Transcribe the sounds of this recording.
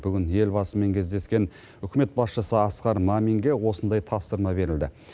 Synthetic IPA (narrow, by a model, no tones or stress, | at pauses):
b̥ʏɡʲɪnje̞lbɑsəme̞ŋkʲʰe̞zd̪e̞skʲe̞n | ʏkʲɪme̞t̪̚bɑsʃəsəɑsqɑɾmamiŋɡʲe̞wo̞sənd̪ɑjt̪ʰɑpsəɾmɑbe̞ɾɪld̪ɪ